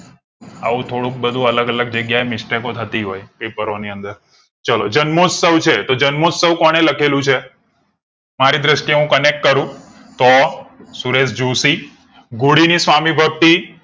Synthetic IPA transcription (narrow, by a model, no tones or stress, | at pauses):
a̰ʋũt̪ʰoɽũk̚bəd̪ʱũələɡələɡ̚d͡ʒəɡjaemɪsʈekot̪ʰət̪iɦojpepəɾoniənd̪əɾ | t͡ʃəlod͡ʒənmosəwt͡ʃʰet̪od͡ʒənmosəwkɔɽ̃eləkʰelũt͡ʃʰe | maɾid̪ɾəʃʈ̪jeɦũkənek̚ʈ̚kəɾũ | t̪osuɾesd͡ʒusi | ɡuɽinisʋamibʱək̚t̪i